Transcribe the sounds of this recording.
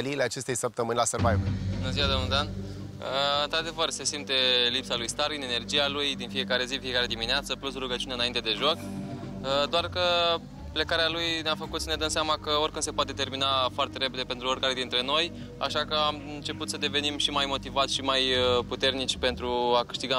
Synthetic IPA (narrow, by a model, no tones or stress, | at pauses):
eliːleat͡ʃe̞st̪e̞jsəp̚t̪əmɨnʲlasərvajubunəziad̪omnud̪an | əɨnt̪ɾad̪e̞vərse̞simt̪e̞lipsalujst̪aline̞ne̞rd͡ʒijalujd̪infije̞kaɾe̞zifije̞kaɾe̞d̪imineat̪səplusruɡət͡ʃiuneɨnaint̪e̞d̪e̞ʒo̞kəd̪oarkə | ple̞kaɾealujneafəkut̪səne̞d̪əmseamakəo̞rkɨnse̞poat̪et̪e̞rminafoart̪e̞ɾe̞pe̞d̪epe̞nt̪ɾuorkaɾe̞d̪int̪ɾe̞no̞j | a̰ʃakəamt͡ʃe̞put̪səd̪e̞ve̞nimʃimajmo̞t̪ivat̪sʲʃimajəput̪e̞rnit͡ʃʲpe̞nt̪ɾuakɨ̥ʃt̪iɡa